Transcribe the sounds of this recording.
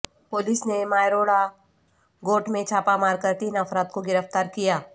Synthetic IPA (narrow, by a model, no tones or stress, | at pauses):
poːlɪsnemaːjɾoːɽa | ɡoːʈmẽt͡ʃʰaːpamaːɾkəɾt̪iːnɐfɾaːd̪̚koɡɪɾəft̪aːɾkijaː